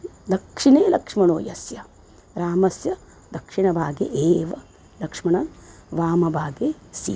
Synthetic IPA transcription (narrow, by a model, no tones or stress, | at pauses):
d̪ɐkʂineːlɐkʂmɐɳoːjɐsjɐ | ɾaːmɐsjɐ | d̪ɐkʂiɳɐbʱaːɡḛʔeːʋɐ | lɐkʂmɐɳɐnʋaːmɐbʱaːɡeːsḭː